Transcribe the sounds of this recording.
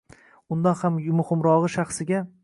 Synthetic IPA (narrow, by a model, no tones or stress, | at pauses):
ʊnd̪anhammʊhɪmɾɒʁɨʃaχsɪɡʲa